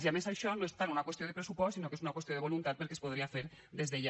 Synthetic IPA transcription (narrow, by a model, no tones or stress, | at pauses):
ziamesajʃɔnoest̪anunakwest̪ioepɾesupɔssːinokesunakwest̪joðeβolunt̪at̪̚peɾkespoð̞ɾiafeɾ | ðezðeʎa